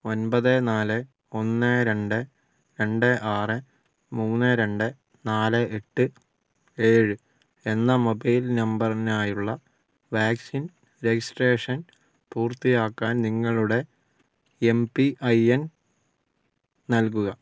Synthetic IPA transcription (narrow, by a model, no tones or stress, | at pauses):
o̞nbɐðɨnaːlɨ | o̞nːeɾe̞ɳɖɨ | ɾe̞ɳɖɨʔaːrɨ | muːnːɨɾe̞ɳɖɨ | naːlɨʔeʈːɨ | eːɻɨ | e̞nːɐmobɐjlnɐmbɐrnaːjuɭːɐ | ʋaːksin | ɾe̞ɡisʈre̞ːʂɐn | puːrt̪ːijaːkːaːnniŋːɐɭuɽe̞ | empiʔɐjen | nɐlkuɣɐ